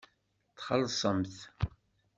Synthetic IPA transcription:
t̪χəlsˤəmθ

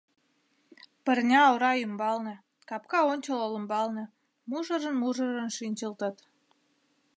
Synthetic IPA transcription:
pərnʲɑːowɾɑymbɑlnə̆ | kɑpkɑonʲt͡ɕəlolə̆mbɑlnə̆ | muʒəɾənmuʒə̆ɾənʃinʲt͡ɕəlt̪ət̪

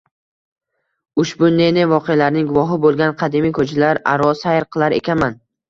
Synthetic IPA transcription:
ʊʃbʊne̞nɪvɒqʰejalaɾnɪŋɡʊvɒɦɪbolˠɡʲanqʰɑd̪imikʰɵt͡ʃʰalaɾa̰ɾɒsajɾqʰɨlˠaɾe̞̰kʲʰanman

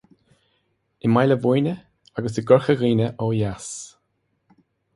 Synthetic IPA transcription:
ɪmajləvujnʲə | aɡəs̬əɡʊɹxəɣiːnəʔɔjas

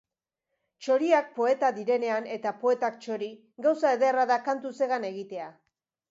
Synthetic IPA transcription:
t͡ʃo̞ɾiak̚po̞e̞t̪aðiɾe̞ne̞ane̞t̪apo̞e̞t̪akt͡ʃo̞ɾi | ɡawsaeðeraðakant̪use̞ɣane̞ɣit̪e̞a

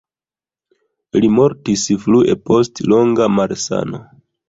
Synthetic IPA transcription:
limo̞ɾtisfluʔe̞po̞stlo̞ŋɡamaɾsa̰no̞̰

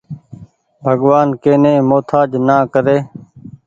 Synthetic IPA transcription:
bʱəɡʋaːnkeːnẽːmoːt̪ʰaːd͡ʒnãːkəɾeː

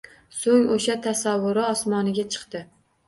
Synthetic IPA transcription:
soŋoʃat̪ʰasavːʊɾɪɒsmɒnɪɡʲat͡ʃʰɨ̥qt̪ɪ

